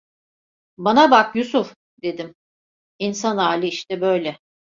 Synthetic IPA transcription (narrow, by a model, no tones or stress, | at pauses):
banabakjusuf | d̪e̞d̪im | insanaːlʲɯiʃt̪ɛbø̞jlʲɛ